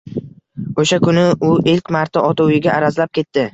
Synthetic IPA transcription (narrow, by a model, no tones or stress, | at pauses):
oʃakʰʊnɪʊʔɪlkʲmaɾt̪ʰaʔɒt̪ʰʊwɪɡʲaʔaɾazlap̚kʲʰe̞t̪ːɪ